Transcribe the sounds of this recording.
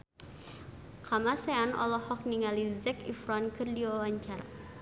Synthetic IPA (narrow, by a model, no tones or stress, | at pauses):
kamasɛanʔɔ̰lɔhɔk̚niŋalizɛkḭfɾɔnkɨrdiwawaɲt͡ʃar